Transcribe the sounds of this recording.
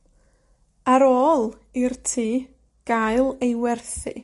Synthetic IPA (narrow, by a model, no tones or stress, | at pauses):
aɾoːlˠ | irtʰiː | ɡ̥aɨlˠejwɛrθḭ